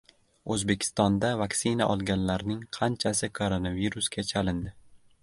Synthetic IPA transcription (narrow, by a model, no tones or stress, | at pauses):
ɵzbekʲʰɪ̥st̪ɒnd̪avaksɪnaʔɒlˠɡʲanlaɾnɪŋqʰɑnt͡ʃʰasɪkʰoɾonaviɾusɡʲat͡ʃʰalɪnd̪ɪ